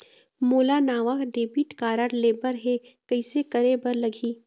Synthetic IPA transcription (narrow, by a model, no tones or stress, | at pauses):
moːlanaːʋakɖeːbiːʈkaːɾəɾleːbəɾɦekɐɪsekɐɾebəɾlɐɡʱiː